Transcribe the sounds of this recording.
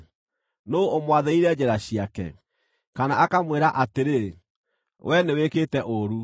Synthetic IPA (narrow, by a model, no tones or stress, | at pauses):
noomwaðɛiɾɛd͡ʑɛɾaɕiakɛ̰ | kanaakamweɾaʔateɾe | wʔɛneweketɛʔoɾu